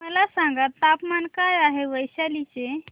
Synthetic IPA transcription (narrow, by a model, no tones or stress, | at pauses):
məlasə̃ŋɡət̪apmankajaɦeʋəjsalit͡ʃe